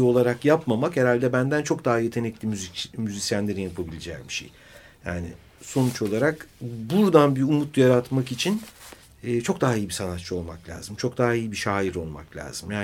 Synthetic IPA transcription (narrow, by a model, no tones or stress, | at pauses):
o̞lˠaɾakjapmamakheɾalʲd̪ɛbænd̪ænt͡ʃʰo̞k̚d̪aɦaje̞t̪ʰe̞nɛclʲimyzimyzisjænlʲe̞ɾinjapʰabilʲed͡ʒɛbiʃḛj | jaːnɪ̰ | so̞nut͡ʃo̞lˠaɾakbuɾd̪anbiumut̪jaɾat̪makit͡ʃʰinː | t͡ʃʰo̞k̚d̪aɦaijibisanat̪t͡ʃʰːɯo̞lˠmaklʲa̰ːz̥ɯmt͡ʃʰo̞kd̪aɦaijibiʃaːiɾo̞lˠma̰klʲa̰ːz̥ɯmjaː